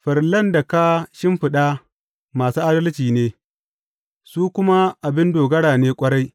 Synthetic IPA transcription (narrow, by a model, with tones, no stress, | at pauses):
ɸɐ˨ɾlɐ˦nda˨ka˦ʃɪ˦mɸɪ˨ɗa˦ | maː˨suː˦ʔa˦dɐ˦lt͡ʃiː˨neː˦ | suː˦kʷʊ˦ma˦ʔa˨bɪ˦ndoː˨ɡɐ˦ɽaː˨neː˦kʷʼɐ˦ɽa˦j